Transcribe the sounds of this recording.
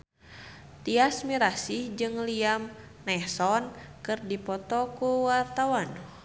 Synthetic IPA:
t̪iasmiɾasihd͡ʒɨŋliam | nɛhsɔnkɨrdipɔt̪ɔkuwart̪awan

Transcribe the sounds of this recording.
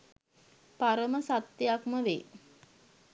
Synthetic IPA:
paɾəməsat̪ːjakməʋe

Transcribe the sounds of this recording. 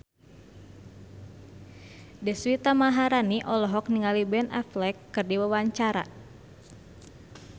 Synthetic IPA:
dɛswit̪amaɦaɾaniʔɔlɔɦɔk̚niŋalibɛna̰flɛkːɨrdiwəwaɲt͡ʃaɾa̰

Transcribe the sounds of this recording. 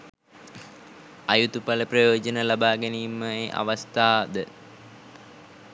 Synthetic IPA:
ajut̪upaləprəjoːd͡ʒənəlabaːɡɛnimːəeːʔa̰ʋast̪aːd̪ə

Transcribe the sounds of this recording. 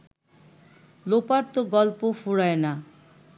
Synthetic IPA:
lopaɾt̪oɡɔlpofuɽaena

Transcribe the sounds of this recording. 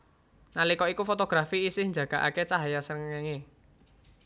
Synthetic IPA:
nalikɔikufot̪oɡ̥ɾafiːsɪhnd͡ʒa̤ɡ̥a̤ʔa̰ket͡ʃaɦajasəŋeŋe

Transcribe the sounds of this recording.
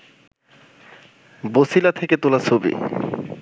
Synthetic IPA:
bosilat̪ʰeket̪olat͡ɕʰobḭ

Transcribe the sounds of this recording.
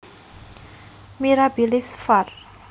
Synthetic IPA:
miɾabilisfar

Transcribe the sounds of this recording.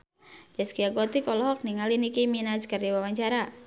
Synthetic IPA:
d͡ʒaskiaɡɔt̪ikɔlɔɦɔk̚niŋalinikeminaskɨrdiwawaɲt͡ʃaɾa

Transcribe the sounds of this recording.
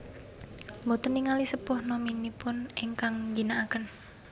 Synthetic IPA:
mbɔt̪əniŋalisəpʊhnominipʊnɛŋkaŋɡinaʔakən

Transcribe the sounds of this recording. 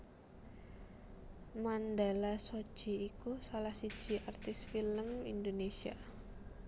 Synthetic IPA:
mandalaso̥ʒ̥i̤ːkusalahsi̥d͡ʒ̥i̤ʔart̪ɪsfiləmindonesia

